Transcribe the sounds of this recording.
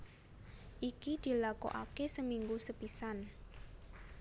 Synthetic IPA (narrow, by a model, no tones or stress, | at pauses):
ʔikid̪̥i̤lako̰ʔa̰kesəmiŋɡusəpisan